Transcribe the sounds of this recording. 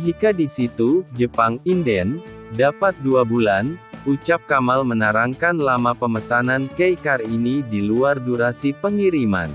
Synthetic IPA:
ɦikadisit̪ud͡ʒəpaŋindɛn | dapat̪̚duabulanut͡ʃap̚kamalmənaɾaŋkanlamapəməsanankejkarinidiluarduɾasipəŋiɾima̰n

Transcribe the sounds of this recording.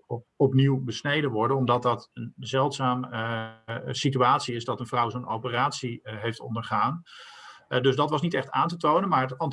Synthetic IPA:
ɔpniwbəsnejdənʋɔɹdənɔmdɑt̚dɑtənzɛlˠtsaːm | sityaːtsiɪzdɑtənvrʌwzownowpəraːtsiɦejftɔ̰ndəɹχaːn | dɵzdɑtʋɑsnitɛχtaːntətownənmaːɹfɑnt

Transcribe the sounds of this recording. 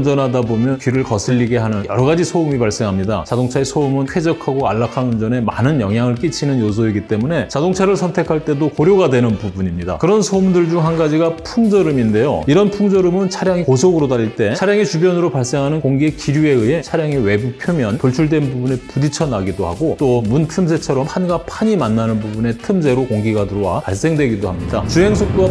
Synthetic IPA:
nd͡ʑʌnɦadabomjʌnkɥiɾɯɭkʌsʰiʎːiɡe̞ɦanɯnjʌ̰ɾʌɡad͡ʑisʰoumipaɭs͈e̞ŋɦamɲida̰t͡ɕadoŋt͡ɕʰae̞sʰoumɯnɸʰwe̞d͡ʑʌkʰaɡoa̰ɭːakʰanɯnd͡ʑʌne̞ma̰nɯnjʌŋɦjaŋɯɭk͈it͡ɕʰinɯnjos̬ʰoiɡit͈e̞mune̞t͡ɕadoŋt͡ɕʰaɾɯɭsʰʌntʰe̞kʰaɭt͈e̞dokoɾjoɡadwe̞nɯnbubuɲimɲida̰kɯɾʌnsʰoumdɯɭd͡ʑuŋɦanɡad͡ʑiɡapʰuŋd͡ʑʌɾɯminde̞jo̰iɾʌnpʰuŋd͡ʑʌɾɯmɯnt͡ɕʰaɾjaŋikosʰoɡɯɾotaɾiɭt͈e̞aɾjaŋet͡ɕubjʌnɯɾopaɭs͈e̞ŋɦanɯnkoŋɡiekiɾjue̞ɯe̞t͡ɕʰaɾjaŋewe̞bupʰjomjʌnpoɭt͡ɕʰuɭdwe̞nbubune̞pudit͡ɕʰʌnaɡidoha̰ɡot͈omuntʰɯms̬ʰe̞t͡ɕʰʌɾʌmhʰanɡapʰaɲimanːanɯnbubune̞tʰɯmd͡ʑʰe̞ɾokoŋɡiɡadɯɾowapaɭs͈e̞ŋdwe̞ɡidohamɲida̰t͡ɕuɦe̞ŋsʰok̚t͈oa

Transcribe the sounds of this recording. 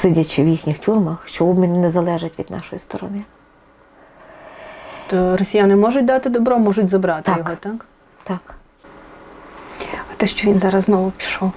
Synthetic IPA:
sɪdʲɐt͡ʃɪwjixnʲixtʲurmɐxʃt͡ʃɔɔbmʲinnɛzɐlˠɛʒɪtʲʋʲḭd̪nʔɑ̰ʃɔjist̪ɔɾɔ̰nɪ | t̪ɔɾɔsʲijanɪmɔʒʊtʲd̪ɑt̪ɪd̪ɔbɾɔmɔʒʊtʲzɐbɾɑt̪ɪjɔɦɔt̪ak | t̪ɑk | ɐt̪ɛʃt͡ʃɔʋʲinzɑɾɐzznɔʋʊpʲi̥ʃɔw

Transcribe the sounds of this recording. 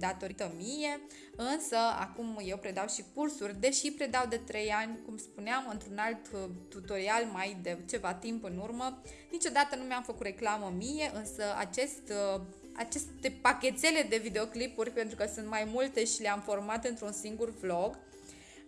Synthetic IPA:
d̪at̪o̞ɾit̪əmije̞ | ɨnsəa̰kumje̞wpɾe̞d̪awʃikursurʲd̪e̞ʃipɾe̞d̪awd̪e̞t̪ɾe̞janʲkumspuneamɨnt̪ɾunalt̪t̪ːut̪o̞ɾialmajd̪e̞t͡ʃe̞vat̪impɨnurmə | nit͡ʃo̞d̪at̪ənumeamfəkut̪ɾe̞klaməmije̞ʔɨnsəa̰t͡ʃe̞st̪ | a̰t͡ʃe̞st̪e̞pakʲe̞t̪se̞le̞d̪e̞vid̪e̞o̞klipurʲpe̞nt̪ɾukəsunt̪majmult̪e̞ʃileamfo̞rmat̪ɨnt̪ɾunsiŋɡurvlo̞ɡ

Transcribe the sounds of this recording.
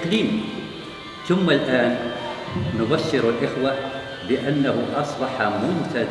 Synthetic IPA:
qliːm | θʊmːalʔaːnː | ʊbaʃːɪɾalʔɪxwa | lɪʔanːahʊʔɑsˤbɑħɑmʊnt̪ad̪

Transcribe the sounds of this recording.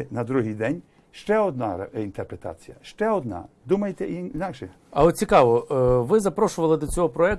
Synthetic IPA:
nɐd̪ɾuɦɪjd̪ɛnʲ | ʃt͡ʃɛɔd̪nɑint̪erpɾet̪ɑ̰t͡sʲijɐʃt͡ʃɛɔd̪nɑ̰d̪umɐjet̪ɛininɑkʃɛ | ɐɔt̪̚ʲt͡sʲikɑʋɔʋɪzɐpɾɔʃʊʋɐlˠɪd̪ɔt͡sʲɔɦɔpɾɔɛk̚

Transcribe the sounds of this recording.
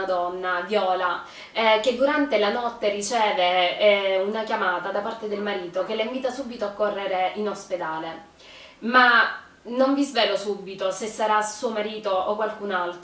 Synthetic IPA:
ad̪ɔnːavjɔːla | ked̪ːuɾant̪elanɔt̪ːerit͡ʃɛːve | unakjamaːt̪ad̪apart̪ed̪elmaɾiːt̪okeleimviːt̪asubit̪oakːorːeɾeinosped̪aːle | ma | noɱvizvɛːlosubːit̪osesːaɾasuomaɾiːt̪ookwalkunalt̪

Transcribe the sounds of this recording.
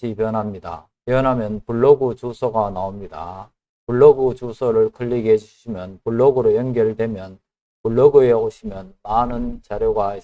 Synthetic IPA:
ipjʌnɦamɲida̰ | pjʌnɦamjʌnpuɭːʌɡut͡ɕusʰʌɡanaomɲida̰ | puɭːʌɡut͡ɕusʰʌɾɯɭk͈ʰɯʎːiɡeɦed͡ʑuɕʰimjʌnpuɭːʌɡuɾojʌnɡjʌɾɯɭdwe̞mjʌn | puɭːʌɡueoɕʰimjʌnmanɯnt͡ɕaɾjoɡa

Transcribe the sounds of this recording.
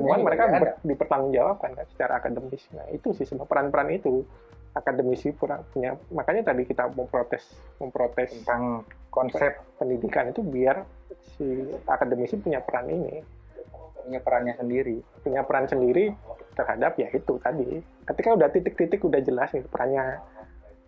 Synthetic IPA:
səmuanməɾekabədipərt̪aŋʊnd͡ʒawap̚kankansə̥t͡ʃaɾa̰ːkadəmɪsna̰hḭt̪usɪhsəbapəɾanpəɾanit̪u | akadəmisipəɾanpuɲamakaɲat̪adikit̪aməmpɾot̪ɛs | məmpɾot̪ɛsaŋkɔnsɛppːəndidikanit̪ubiarsia̰kadəmisipuɲapəɾanʔḭnḭ | apəɾanɲasəndiɾipuɲapəɾansəndiɾit̪ərhadapjait̪ut̪adi | kət̪ikaudaht̪it̪ɪkɾit̪ɪkudahd͡ʒəlasɪpəɾʔanɲa

